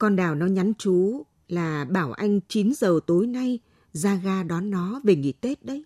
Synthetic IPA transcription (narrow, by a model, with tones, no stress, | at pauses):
kɔ˧nɗaː˨˩wnɔ˨˦ɲa˨˦nt͡ɕu˨˦ | laː˨˩ɓaː˧˩wʔa˧jŋ̟t͡ɕi˨˦nzəː˨˩t̪o˨˦jna˧j | zaː˧ɣaː˧ɗɔ˨˦nːɔ˨˦ve˨˩ŋḭ˨˧˩t̪e˦˥t̚ɗə˨˦j